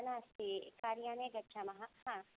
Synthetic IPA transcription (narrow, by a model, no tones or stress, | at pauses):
naːst̪ikaːɾjaːneɡɐtːʃʰamɐɦahã